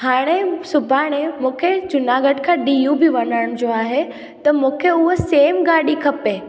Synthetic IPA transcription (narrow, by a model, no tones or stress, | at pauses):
haːɽ̃esʊbʱaːɽ̃emũːkʰed͡ʑʊnaːɡəʈkʰãːɗijũbɪʋɐnəɽ̃d͡ʑoːaːɦe | t̪ɐmũːkʰeʊɦoseːmɡaːɗikʰɐpe